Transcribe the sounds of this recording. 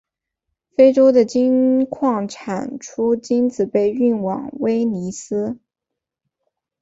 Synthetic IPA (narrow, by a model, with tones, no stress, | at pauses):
fe˥ɪʈ͡ʂo˥ʊd̪ə˨t͡ɕi˥nkʰwɑ˥˩ŋʈ͡ʂʰa˨˩nʈ͡ʂʰu˥t͡ɕi˥nt͡sɹ̩˨˩pe˥˧ɪy˥˩nwɑ̰˨˩˦ŋwe˥ɪni˧˥sɹ̩˥